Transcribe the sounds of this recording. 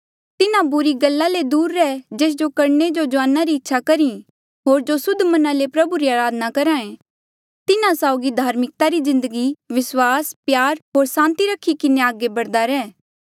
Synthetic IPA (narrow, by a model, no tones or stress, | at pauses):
t̪ɪnãbʊɾiɡɐlːaled̪uːɾːɛːd͡ʒeːs̬d͡ʒokɐɾned͡ʒod͡ʒʊaːnaɾiɪtːʃʰakɐɾĩ | ɦoːɾd͡ʒosʊd̪ʱmɐnãlepɾɐbuɾiaːɾaːd̪nakɐɾaːẽ | t̪ɪnãsaːʊɡid̪ʱaːɾmɪk̚t̪aɾizɪ̃nd̪əɡiʋɪswaːspjaːɾɦoːɾsãːnt̪iɾɐkʰːikɪneaːɡebɐɽd̪aɾɛː